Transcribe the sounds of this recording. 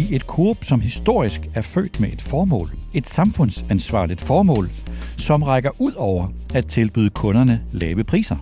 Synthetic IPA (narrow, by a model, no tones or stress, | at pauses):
ie̝d̥kʰuɐb̥sɒ̽mɦisd̥o̝ɐ̰isɡ̥æɐfø̰ːd̥meʔed̥fɒːm̰ːe̝d̥sɑ̈mfɔ̽n̰sænsʋɑ̰̈ːlid̥fɒːmɔ̰̽ːl | sɒ̽mʁɑɪɡ̥ɐʔuð̰ˠɒʊ̰ɐ | æ̥t͡sʰe̝lb̥yːð̞ˠəkʰɔ̽nɐnəlɛːʋəpʰʁḭːsɐ